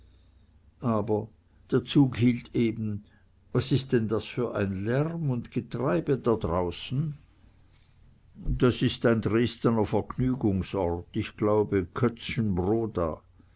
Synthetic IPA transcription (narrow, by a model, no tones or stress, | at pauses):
ʔaːbɐ | d̥eːɐt͡suːɡhiːltʰeːbn̩ | vasɪst̚d̥ɛndasfyːɐʔa̰ɪnlɛʁmʊntɡ̥ətʁ̥aɪbədadʁaʊsn̩ | d̥asɪstaɪndʁeːstənɐfɛɐknyːɡʊŋsɔʁtɪçɡ̥laʊbəkʰœt͡sçənbʁoːda̰ː